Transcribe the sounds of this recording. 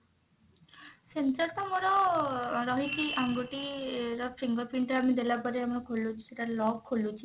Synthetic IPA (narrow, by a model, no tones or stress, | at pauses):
sent͡ʃɔɾt̪ɔmoɾɔ | ɾɔɦit͡ʃʰiʔaŋɡuʈiɾɔpʰɾiŋɡɔpiɳʈɔamid̪elapɔɾiamiɾɔkʰolut͡ʃʰi̥seʈalɔkʰːolut͡ʃʰi